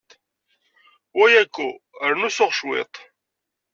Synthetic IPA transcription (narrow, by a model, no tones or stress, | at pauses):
wæjækːuəɾnusoʁʃwḛt̪ˤ